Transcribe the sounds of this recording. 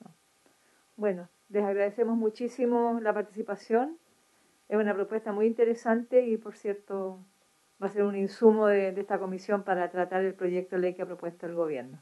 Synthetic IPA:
o | bwe̞no | lesaɣɾaðesemozmut͡ʃisimolapaɾt̪i̥sipasjon | esunapɾopwest̪amujint̪eɾesant̪eipo̞ɾsjeɾt̪o | baseɾuninsumoðed̪eeht̪ako̞misjo̞mpaɾat̪ɾat̪aɾelpɾo̞ʝek̚t̪olejkeapɾopwest̪oelɣoβjeɾno

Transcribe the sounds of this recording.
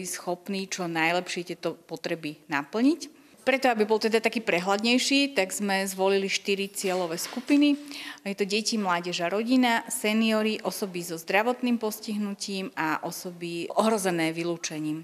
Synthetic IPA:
isxɔpniːt͡ʃɔnajlɛpʃɪɛt̪ɛt̪ɔpɔt̪ɾɛbinapl̩ɲic | pɾɛt̪ɔabibɔlˠt̪ɛd̪at̪akiːpɾɛɦlad̪ɲɛjʃiːt̪aɡzmɛzʋɔliliʃt̪iɾit͡sɪɛlɔʋɛːskupinijɛt̪ɔɟɛcimlaːɟɛʒaɾɔɟinasɛniɔɾiʔɔsɔbizɔzd̪ɾaʋɔt̪niːmpɔsciɦnuciːmaʔɔsɔbiʔɔɦɾɔzɛnɛːʋiluːt͡ʃɛɲiːm

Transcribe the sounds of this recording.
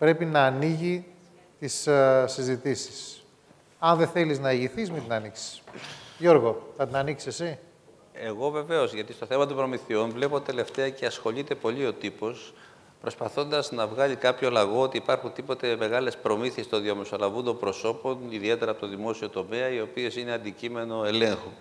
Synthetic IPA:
pɾe̞pinɐːniʝi | t̪issizit̪isi̥s | ɐnðe̞θe̞liznɐiʝiθizmet̪inɐniksi̥ʝo̞ɾɣo̞θɐt̪inɐniksi̥sesi | e̞ɣo̞ve̞ve̞o̞zʝɐt̪ist̪o̞θe̞mɐt̪opɾo̞miθiunvle̞po̞t̪e̞le̞ft̪e̞ɐceɐsxo̞ʎit̪e̞po̞ʎio̞t̪ipo̞s | pɾo̞spɐθo̞nd̪ɐznɐvɣɐʎikɐpço̞lɐɣo̞ot̪iːpɐɾxunt̪ipo̞t̪e̞me̞ɣɐle̞spɾo̞miθie̞st̪o̞nðiɐme̞so̞lɐvund̪ombɾo̞so̞po̞niðie̞t̪e̞ɾɐpot̪oðimo̞sio̞t̪o̞meɐio̞pie̞sine̞ɐnd̪icime̞no̞e̞leŋxu

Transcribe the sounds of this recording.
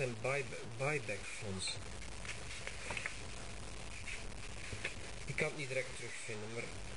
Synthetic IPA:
ɛn | bɑjbɛkfɔns | ɪkːɑnitd̪ɪɾɛk̚t̪ʰːɾʏxfɪnːəmaɾ

